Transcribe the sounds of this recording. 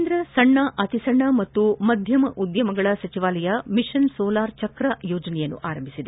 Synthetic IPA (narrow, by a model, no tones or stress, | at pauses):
nd̪ɾɐsɐɳːɐʔɐt̪isɐɳːɐmɐt̪ːumɐd̪ʱjɐmɐʔud̪jɐmɐɡɐɭɐsɐt͡ʃiʋaːlɐjɐmiʂɐnsɔːlaːɾt͡ʃɐkɾɐjoːd͡ʒɐnɛjɐnːṵʔaːɾɐmbʱisid̪e